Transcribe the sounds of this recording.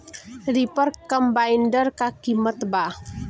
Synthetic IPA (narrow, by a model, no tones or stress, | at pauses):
ɾipərkəmbaindərkakimət̪ba